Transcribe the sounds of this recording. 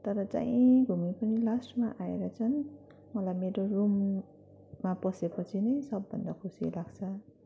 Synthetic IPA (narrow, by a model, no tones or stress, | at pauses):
t̪ʌɾʌt͡sã̰jĩɡʱumipʌnilasʈmaʔaeɾat͡sʰʌn | mʌlajmeɾorumː | apʌsepʌt͡sʰinʌjsʌbːʌ̰nd̪ʌkʰusḭlaɡt͡sʰʌ